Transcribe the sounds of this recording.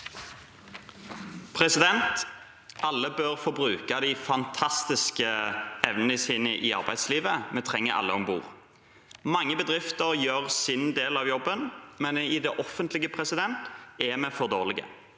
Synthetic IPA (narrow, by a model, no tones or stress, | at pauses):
pʰʁɛsɪd̪ɛnt̪ | ʔɑlːəbøːʁfɔʁbʁʉːkɑd̪æɪfɑnt̪ʰɑst̪ɪskəɛʋnənəsiːnəʔɪɑ̰ʁbæɪd̪sliːʋəmɛt̪ʰʁɛŋːəʔɑ̰lːəɔmbṵːʁ | mɑŋːəbəd̪ʁɪft̪əʁjøːʁsɪnd̪eːlɑʋjɔbːənmɛnɪd̪ɛʔɔfənt̪lɪɡəpʰʁɛsɪd̪ɛnt̪ɛmɛfɔʁd̪oːʁlɪɡə̰